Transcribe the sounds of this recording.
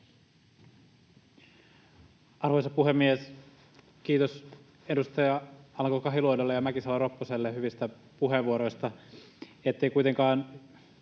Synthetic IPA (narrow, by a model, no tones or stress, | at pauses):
ɑrʋojsɑpuɦemːies | k̟iːt̪os | edust̪ɑjɑɑlɑŋkokɑɦiluodolːejɑmækisɑlɑropːoselːeɦyʋist̪æ | puɦeʋuoɾo̞jst̪ɑ | et̪ːeikujt̪eŋkɑːn